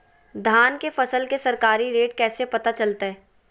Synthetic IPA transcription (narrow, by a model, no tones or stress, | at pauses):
d̪ʱaːnkefɐsəlkesɐɾkaːɾiɾeːʈkɛːsepɐt̪at͡ʃɐlt̪aɦɛː